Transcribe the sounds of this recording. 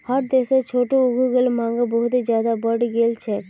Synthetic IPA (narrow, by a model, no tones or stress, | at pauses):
həɾd̪eːset͡ʃʰoːʈoʊɡʱuɡelmãːŋɡəbɔɦʊt̪id͡ʒjaːd̪abəɽɡelt͡ʃʰɛ